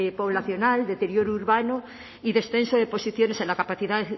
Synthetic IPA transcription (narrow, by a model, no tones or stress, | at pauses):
po̞β̞laθjo̞nald̪et̪e̞ɾjo̞ɾuɾβano | iðe̞sθe̞nsoðepo̞siθjo̞nesenlakapaθiðað